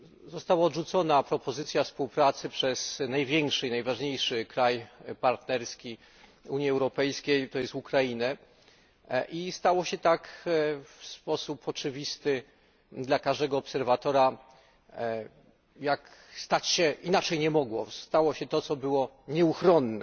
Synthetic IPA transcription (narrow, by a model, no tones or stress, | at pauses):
zɔst̪awaɔd̪ʐut̪sɔnapɾɔpɔzɘt̪sʲjafspuwpɾat̪sɘpʂɛz̥najvʲjɛŋkʂɛinajvaʐɲejʂɘkɾajpaɾt̪nɛɾskʲi | uɲjiɛwɾɔpɛjskʲejt̪ɔjɛst̪ukɾainɛ | ʔist̪awɔɕɛt̪ak | fspɔsupɔt͡ʂɘvʲist̪ɘ | d̪lakaʐd̪ɛɡɔːpsɛɾvat̪ɔɾa | jakst̪at͡ɕɕɛʔinat͡ʂɛjɲɛmɔɡwɔst̪awɔɕɛt̪ɔt̪sɔbɘwɔ | ɲɛuxɾɔnːɛ